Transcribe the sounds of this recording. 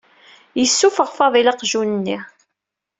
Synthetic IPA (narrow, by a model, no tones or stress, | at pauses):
jəsːufəʁfɑðˤilɑqʒunənːiʁ